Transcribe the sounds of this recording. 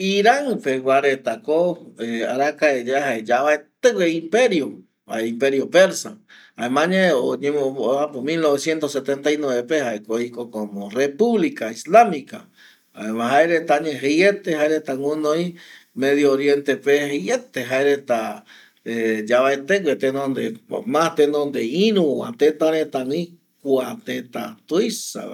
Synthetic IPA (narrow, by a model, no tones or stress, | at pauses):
iɾaŋpeɡʷwaɾet̪akoea̰ɾakaed͡ʒeaɦaed͡ʒaβaet̪eweimpeɾjo | a̰impeɾjopeɾsa̰ | aemãɲeoɲemooapomilnoβesjent̪oset̪ent̪ainweβepehaekoikokomorepuβlikaislamika̰ | a̰emãɦaeɾet̪aɲeɦeet̪eɦaeɾet̪aŋunoimeðjooɾjent̪epehiet̪eɦaeɾet̪a | ed͡ʒaβaet̪ekʷwet̪enond̪eo̰mast̪enond̪einũoa̰t̪et̪aɾẽt̪aŋi | kwat̪et̪a̰t̪uisa̰